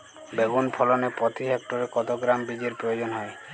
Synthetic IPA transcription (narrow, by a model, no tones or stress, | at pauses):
beɡunpʰɔlonepɾɔt̪ʰiɦek̚ʈoɾekɔt̪oɡɾambid͡ʒeɾpɾojod͡ʑonɦɔe